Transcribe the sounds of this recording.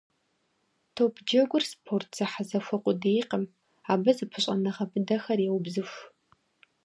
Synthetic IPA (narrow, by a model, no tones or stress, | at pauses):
tʰopʰd͡ʒɐɡʷʊrspʰortʰz̥ɐħazɐfʷɐqʷʼʊdejqəm | aːbɐzɨpʰɨɕʼɐnɐʁɐbʰɨdɐxɐrjeɛwbzɨfʷ